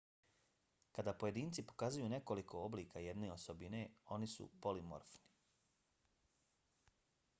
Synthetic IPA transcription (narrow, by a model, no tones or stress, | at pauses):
kad̪aːpoje̞d̪iːnt̪sipo̞̥kazujuːne̞ko̞likʰo̞obliːkajed̪ne̞ːosobine̞o̞nisṵpo̞limo̰ɾfni̥